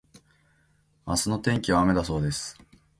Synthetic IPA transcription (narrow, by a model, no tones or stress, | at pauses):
masɨno̞t̪ẽ̞ŋkʲiβaːme̞d̪aso̞ːd̪e̞sɨ̥